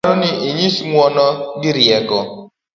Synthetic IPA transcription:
ɾʊnɪʔiɲisiŋʷɔnɔdiɾiɛɡɔ

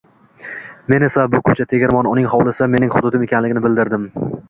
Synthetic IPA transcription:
me̞ne̞sabʊkʰʊt͡ʃʰat̪ʰe̞ɡʲɪɾmɒnʊnɪŋhɒwlɪsame̞nɪŋχʊd̪ʊd̪ɪmekʲʰanlɪɡʲɪnɪbɪld̪ɪɾd̪ɪm

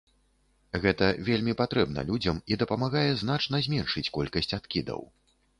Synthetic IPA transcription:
ɣɛt̪ɐvʲelʲmʲipat̪ɾɛb̚nɐ̰lʲud͡zʲɐmid̪ɐpɐmaɣajɛzn̪at͡ʂn̪ɐzʲmʲɛnʂɨt͡sʲkɔlʲkɐsʲt͡sʲat̪kʲid̪ɐ̰w

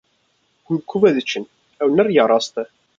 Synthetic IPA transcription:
kmkʷːuvæðət͡ʃːən | æwənəɾjəɾˤɑsˤt̪

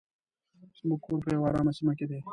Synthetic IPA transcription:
smukuːɾpeːwaːɾãːmɐsimɐkid̪eː

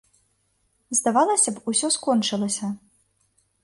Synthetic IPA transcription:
zd̪avalˠɐsʲɐpusʲɔskɔnt͡ʂɨlˠɐsʲɐ

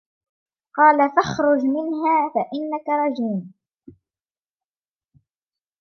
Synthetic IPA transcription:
qɑːlafaxɾˤʊd͡ʒmɪnɦaːfaʔɪnːakaɾˤɑd͡ʒiːm

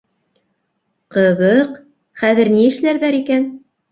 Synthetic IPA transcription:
qɤ̆βɤq | χæðɘ̆ɾniɘ̆ʃlæɾðæɾikæn

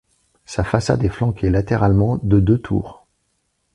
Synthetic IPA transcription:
safasa̰d̪ɛflɑ̃kʰʲelat̪eʁalmɑ̃d̪əd̪øt̪ʰṵːʁ

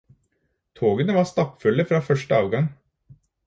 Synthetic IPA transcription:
t̪ʰoːɡənəʋɑːst̪ɑpfʉlːəfɾɑːfœʂʈəɑːʋɡɑŋ

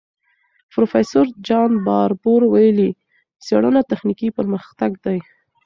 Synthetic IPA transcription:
pɾofesoɾd͡ʒɑnbɑɾboɾwajəli | seɽənat̪axnikipəɾməxt̪aɡd̪aj

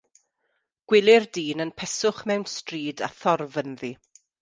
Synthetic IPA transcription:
ɡ̥wɪlˠɪrdiːnənpʰɛsʊχmɛwnstriːda̰θɔrvənði

